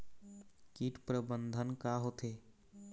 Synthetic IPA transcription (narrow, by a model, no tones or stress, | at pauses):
kiʈpɾəbənd̪ʱənkaɦot̪ʰeː